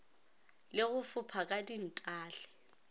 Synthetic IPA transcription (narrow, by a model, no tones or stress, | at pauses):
lɪɣʊfʊpʰakʼadin̩tʼaːɬɛ̥